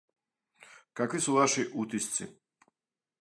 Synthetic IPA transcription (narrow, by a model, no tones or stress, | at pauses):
kakʋisuvaʃiʔut̪ist̪sḭ